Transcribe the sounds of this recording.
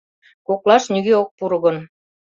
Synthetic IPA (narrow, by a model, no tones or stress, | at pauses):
koklˠɑʃnyɣeok̚puɾɣə̆n